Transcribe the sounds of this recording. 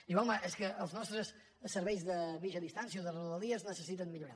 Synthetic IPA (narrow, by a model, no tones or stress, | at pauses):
ʒuwalˠmaʔɛskəʔəlˠznɔst̪ɾəs | səɾβɛjzðəβiʒəðist̪ans̬iəoðəruðəlˠiəznəsəsit̪ənmːiʎuɾa